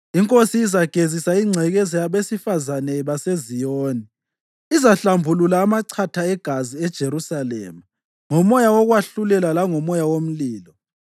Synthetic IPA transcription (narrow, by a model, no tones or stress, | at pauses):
iŋkʼosiːzaɡ̥ʱezisaiŋ͡ǀʱɛɣɛzɛjaβesifazanɛβasezijoːni | izaɬambʱululaːmaǀʰatʰaɛɡ̥ʱaziɛd̥ʒ̥ʱeɾusalɛ̰ːma | ŋɔmɔjawɔɣwaɬulɛlalaŋɔmɔjawom̩liːlɔ